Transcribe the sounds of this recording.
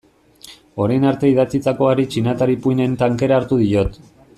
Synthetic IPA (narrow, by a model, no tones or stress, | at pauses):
o̞ɾajnaɾt̪e̞iðat͡sit͡s̪ako̞aɾit͡ʃinat̪aɾipujne̞nt̪aŋke̞ɾaːɾt̪uðijo̞t̪